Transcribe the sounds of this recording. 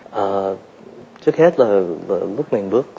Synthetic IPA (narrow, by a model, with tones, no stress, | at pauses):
ʔəː˨˩ | t͡ɕɨ˦˥ək̚hɛ˦˥t̚laː˨˩lə˨˩lʊ˦˥k͡p̚mï˨˩ŋ̟ɓɨ˦˥ək̚